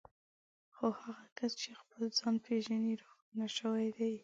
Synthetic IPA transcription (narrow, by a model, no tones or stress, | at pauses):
xohaɣakast͡ʃexpəlzɑnpʰeʒaniɾʊxt̪unaʃəwajd̪aj